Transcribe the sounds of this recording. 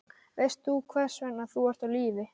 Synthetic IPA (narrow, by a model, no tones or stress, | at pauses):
vest̪θukʰvɛr̥svɛnaθuaɾ̥t̪awliːvɪ